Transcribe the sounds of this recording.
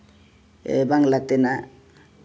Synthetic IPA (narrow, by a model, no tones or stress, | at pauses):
ḛbaŋlat̪ena